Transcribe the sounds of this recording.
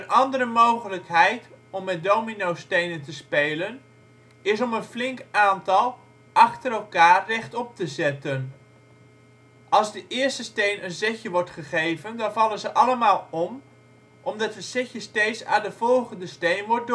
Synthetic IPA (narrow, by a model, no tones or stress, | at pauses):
ənʔɑndəɾəmowχələkɦɛjtɔmːɛt̚dowminowstejnəntəspejlən | ɪs̬ɔmənflɪŋkaːntɑlˠ | ʔɑχtəɾɛlˠkaːrːɛχtɔp̚təzɛtən | ʔɑlˠzdəʔɪəɹstəstejnənzɛçjəʋɔɹtχəχejvəndɑnvɑlənzəʔɑləmaːlˠɔm | ʔɔmdɑtəsɛçjəstejsa̰ːndəv̥ɔlˠχəndəstejnʋɔɹ̚d